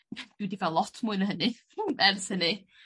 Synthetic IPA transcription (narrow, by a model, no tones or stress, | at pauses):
d̥ɪwdivalˠɔtʰmʊɨnəɦənɨ | ɛrshənɨ